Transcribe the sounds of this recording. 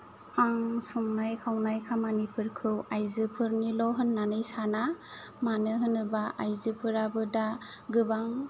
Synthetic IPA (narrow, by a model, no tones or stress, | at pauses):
aŋsumnajkʰawnajkʰamanipɯɾkʰɯwajzɯpʰɯɾnilɔɦɯnːanɯjsanamanɯɦɯnɯbaʔajzɯpʰɯɾabɯdaɡɯbaŋ